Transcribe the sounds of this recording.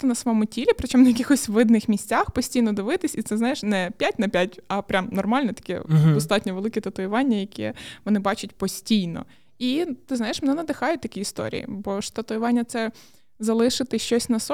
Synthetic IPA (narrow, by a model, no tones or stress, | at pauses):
t̪ɪnɐsɐmɔmʊtʲilʲipɾɪt͡ʃɔmnɐjɐkʲixɔsʲʋʋɪd̪nɪxmʲisʲt͡sʲaxpɔsʲtʲijnɔd̪ɪʋɪt̪ɪsʲit̪sɛznɑjɪʃnɛpʲjatʲnɐpʲjatʲɐpɾʲamnɔrmɑlʲnɛt̪ɐ̥kʲɛ̰d̪ɔst̪ɑtʲnʲɔʋelˠɪkʲit̪ɐt̪ʊjɪʋɑnʲːɐjɐkʲɛ̰ʋɔnɪbɑt͡ʃʊt̚ʲpɔsʲtʲijnɔ̰ | it̪ɪznɑjɪʃmenɛnɐd̪ɪxɑjʊt̚ʲt̪ɐkʲiːst̪ɔ̰ɾʲḭjḭbɔʂt̪ɐt̪ʊjɪʋɑnʲːɐt̪sɛ | zɐlˠɪʃɪt̪ɪʃt͡ʃɔsʲnɐsɔ